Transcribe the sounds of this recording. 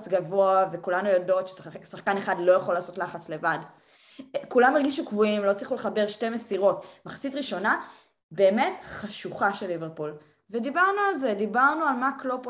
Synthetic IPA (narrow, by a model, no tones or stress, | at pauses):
t͡sɡavo̞avekulanujado̞tʃe̥seksaχkaneχadlojaχolaːso̞tlaχat͡sle̞vad | kulameʁɡiʃukvuimlo̞t͡slˠiχuleχabe̞ʁʃte̞mesiʁo̞tmaχt͡sitʁiʃo̞na | be̞ːme̞tχaʃuχaʃeliveʁpul | vedibaʁnualzedibaʁnualmaklop